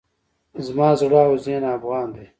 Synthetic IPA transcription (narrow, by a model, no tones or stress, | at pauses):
zmɑːzɽaːwozeːnaːfɣɑːnd̪eː